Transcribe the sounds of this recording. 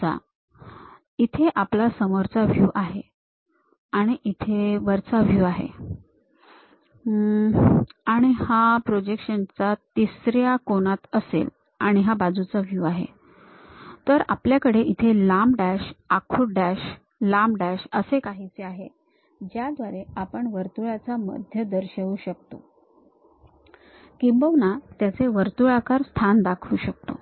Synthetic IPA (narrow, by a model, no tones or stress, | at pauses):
a̰ | it̪ʰeʔaplasəmoɾt͡saʋjuːʔaɦe | aɽ̃iʔit̪ʰeʋəɾt͡saʋjuːaɦḛ | aɽ̃ihapɾod͡ʑekɕənt͡sat̪isɾjakonat̪əsḛl | aɽ̃iɦabad͡zut͡saʋjuːaɦḛ | t̪əɾapljakəɽeʔit̪ʰelamɖæɕakʰuɖæɕ | lamɖæɕəsekaɦit͡seaɦe | d͡ʑjad̪ʋaɾeapəɳʋəɾt̪uɭat͡samə̰d̪ʱjəd̪əɾɕəʋuːɕək̚t̪o | kimbəʋnat̪jat͡seʋəɾt̪uɭakaɾst̪ʰand̪akʰuːɕəkt̪o̰